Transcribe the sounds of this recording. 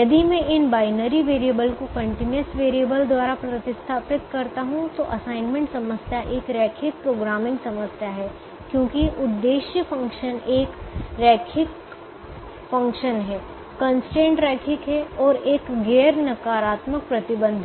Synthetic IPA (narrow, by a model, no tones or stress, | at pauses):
jɐd̪imẽɪnbaːɪnəɾiʋeːɾiəbəlkokɐ̃ɳʈɪnjəsʋeːɾiəbəld̪waːɾapɾɐt̪ɪst̪ʰaːpɪt̪kɐɾt̪aɦũt̪oʔɐsaːɪnmẽɳʈsɐməsjaʔeːkɾɛːkʰɪk̚pɾoːɡɾaːmɪ̃ŋɡsɐməsjaɦɛː | kjõːkiʔʊd̪ːeːʃjəfɐ̃ŋkʃəneːkɾɛːkʰɪk | fɐ̃ŋkʃənɦɛː | kɐ̃nsʈẽːɳʈɾɛːkʰɪkɦɛɔːɾeːkɡɛːɾnɐkaːɾaːt̪mək̚pɾɐt̪ɪbə̃nd̪ʱ